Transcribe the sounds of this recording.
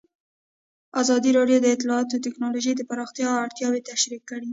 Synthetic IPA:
azɑd̪iɾɑɖjod̪əɪt̪lɑːt̪ot̪ɪknɑloʒejd̪əpaɾɑxt̪jɑaɽt̪jɑwet̪aʃɾikːəɽi

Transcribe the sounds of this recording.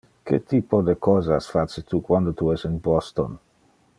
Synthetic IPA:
kḛt̪ʰipod̪əkʰɔzasfaset̪ukwand̪ot̪uɛsɪnbɔst̪o̰n

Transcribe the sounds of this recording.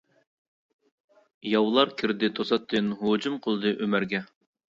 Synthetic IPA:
jɑwlˠɑɾkʲʰɪɾd̪ɪt̪ʰosɑt̪ʰːɨnɦod͡ʒumqʰolˠd̪ɨʔømæɾɡʲɛ

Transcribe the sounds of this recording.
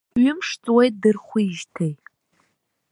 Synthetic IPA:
ɥʏmʂt͡sʼwejt̚dɨrχʷiʒtʰej

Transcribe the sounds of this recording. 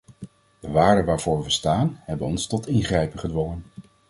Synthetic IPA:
d̥əʋaːɹdənʋaːɹv̥ʊːɹʋəstaːnɦɛbənɔnstɔtɪnχrɛjpəχədʋɔŋən

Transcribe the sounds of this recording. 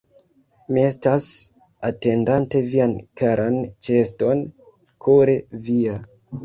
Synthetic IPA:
mie̞stas | ate̞ndante̞viankaɾʔant͡ʃesto̞n | kʰoɾevia

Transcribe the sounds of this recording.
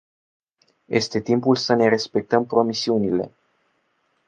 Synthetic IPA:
je̞st̪e̞t̪impulsəne̞ɾe̞spe̞k̚t̪əmpɾo̞misiunile̞̰

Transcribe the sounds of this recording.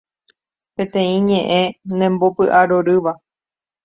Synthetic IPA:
pẽ̞t̪ẽ̞ĩɲẽ̞ʔẽ̞nẽ̞mbopɨʔaɾoɾɨʋa

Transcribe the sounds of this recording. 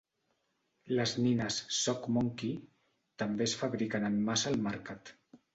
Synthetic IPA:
ləzninəsːɔkmoŋki | t̪əmbesfaβɾikənəmːasəlˠmaɾkat̪

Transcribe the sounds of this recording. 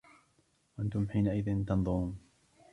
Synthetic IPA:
waʔant̪ʊmħiːnaʔɪðɪnt̪ɑnðˤʊɾuːn

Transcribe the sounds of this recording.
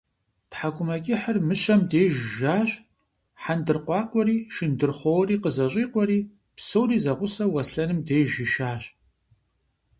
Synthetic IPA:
tħaɡʷʼʊmɐkʲʼɪħərmɨɕɐmdeːʒʒaːɕʼ | ħandɨrqʷɑːqʷɔɾiːʃɪndɨrχʷowriːqəzɐɕʼiːqʷɔɾiː | psowriːzɐʁʷʊsɐwɐsɬɐnɨmdeːʒɪʃaːɕʼ

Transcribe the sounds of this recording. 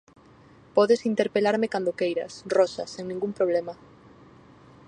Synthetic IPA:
pɔðesint̪eɾpelaɾmɪkand̪okejɾɐ̰srɔʃɐseŋnĩŋɡumpɾoβ̞lemɐ

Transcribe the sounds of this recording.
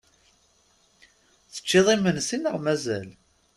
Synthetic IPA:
θə̥t͡ʃːɪðˤimənsinəʁmæzæl

